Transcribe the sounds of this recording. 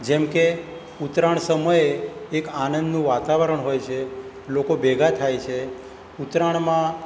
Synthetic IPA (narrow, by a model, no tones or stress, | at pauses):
d͡ʒɛmke | ut̪ɾaɳsəməjeːkanənd̪nũʋat̪aʋəɾəɳɦojt͡ʃʰe | lokobeɡat̪ʰajt͡ʃʰe | ut̪ɾaɳ̃mã